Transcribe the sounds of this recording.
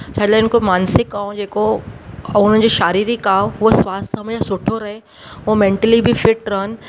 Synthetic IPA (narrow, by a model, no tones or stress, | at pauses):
t͡ɕʰaːd͡ʑlaɪnkomaːnsɪkaːũd͡ʑeːko | ʊn̤ən̆d͡ʑiʃaːɾiːɾikaːoɦʊɦosʋaːst̪ʰɐmeasʊʈʰoɾɐɦe | omẽːɳʈəlibʱɪfɪʈɾɐɦənɪ̆